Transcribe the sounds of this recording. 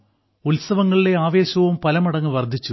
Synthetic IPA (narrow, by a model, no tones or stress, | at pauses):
ulsɐʋɐŋːɐɭile̞aːʋe̞ːɕɐʋumpɐlɐmɐɽɐŋːɨʋɐrd̪ʱit͡ɕːu